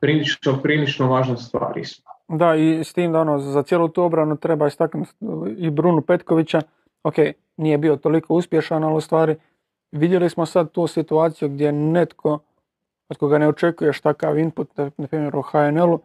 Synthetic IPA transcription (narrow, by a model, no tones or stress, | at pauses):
pɾiːlit͡ʃnopɾiːlit͡ʃnoʋaːʒnest̪ʋa̰ːɾḭsmod̪aist̪iːmd̪ao̞noːzat̪jeːlˠuːt̪uːo̞bɾanut̪ɾe̞baːist̪aknut̪ibɾunupe̞t̪koʋit͡ɕa | okeːj | niːje̞biot̪olikʰouspje̞ʃanalust̪ʋaːɾi | ʋid̪je̞lismo̞sad̪̚t̪uːsit̪uaːt̪sijuɡ̚d̪ʲje̞net̪kʰo̞ | ot̪koɡane̞ot͡ʃe̞kuje̞ʃt̪akaːʋinput̪anapɾiːmje̞ɾuoxaenelu